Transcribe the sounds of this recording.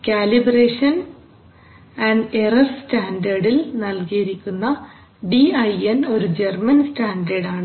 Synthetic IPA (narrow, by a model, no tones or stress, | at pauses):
kʲaːlibreːʂɐn | ɐnɖerɐrstaːndɐrɖilnɐlkijiɾikʲːunːɐ | ɖiɐjeno̞ɾud͡ʑermɐnstaːndɐɽaːɳɨ